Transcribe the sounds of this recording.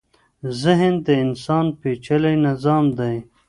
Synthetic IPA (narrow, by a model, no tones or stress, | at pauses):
zɪɦənd̪əɪnsɑːnpet͡ʃəlajnɪzɑːmd̪aj